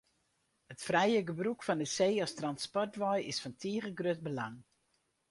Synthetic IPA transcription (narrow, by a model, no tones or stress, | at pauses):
hətfrɛjəɡəbrukfɔndəseːɔstrɑnspɔrtʋɔjɪsfɔntʰiəɣəɡrøt̚bəlaŋ